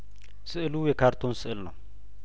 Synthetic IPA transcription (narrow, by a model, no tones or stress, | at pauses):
sɨʔɨlujɛkʰaɾt̪ʰo̞nsɨʔɨlnɐw